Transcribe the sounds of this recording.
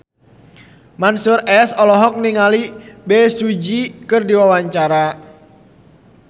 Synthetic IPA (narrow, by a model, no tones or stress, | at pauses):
mansurɛsɔlɔɦɔk̚niŋalibɛsud͡ʒikɨrdiwawaɲt͡ʃaɾa